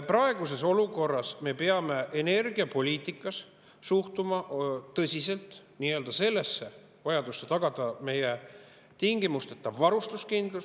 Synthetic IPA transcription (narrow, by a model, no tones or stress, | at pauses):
pɾɑe̞ɡ̥use̞s̬o̞luko̞rːɑsme̞peɑme̞ʔene̞rɡiɑpo̞lʲiːt̪ʲːˑikːˑɑs | suht̪umɑt̪ɤ̞sʲise̞lt̪ | niːø̞ld̪̥ɑse̞lːe̞sːe̞ | vɑjɑd̪̥usːet̪ɑɡ̥ɑd̪̥ɑme̞je | t̪iŋɡimust̪et̪ːˑɑvɑɾust̪uskind̪̥lu